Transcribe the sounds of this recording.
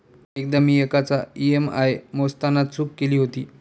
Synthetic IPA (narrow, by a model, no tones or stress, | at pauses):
ek̚d̪amiːekat͡saiemajmost̪anat̪sʰuːkːeliːɦot̪ḭː